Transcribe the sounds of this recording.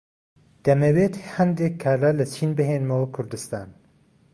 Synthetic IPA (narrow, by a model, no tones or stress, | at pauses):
d̪̥ɐmɐweːt̪hɛnd̪ekʰːaːɾlalɐt͡ʃʰiːnbɨɦeːnmɐwɐkʰʊɾd̪ɨst̪aːn